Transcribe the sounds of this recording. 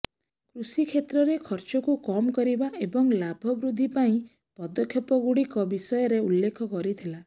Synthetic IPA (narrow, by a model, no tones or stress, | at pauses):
kɾusikʰet̪ɾɔɾekʰɔɾt͡ʃɔkukɔmɔkɔɾibaʔebɔŋlabʱɔbɾud̪ʱːipaĩ | pɔd̪ɔkʰjɔpɔɡuɽikɔbisɔjɔɾeulːekʰɔkɔɾit̪ʰila